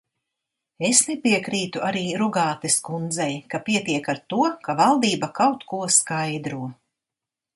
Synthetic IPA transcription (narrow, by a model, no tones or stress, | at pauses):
esnɛpiɛkɾiːt̪uʔaɾiːɾuɡaːt̪eskund̪zɛjkapiɛt̪iɛkaɾt̪uɔkavalˠd̪iːbakawt̪kuɔskajd̪ɾuɔ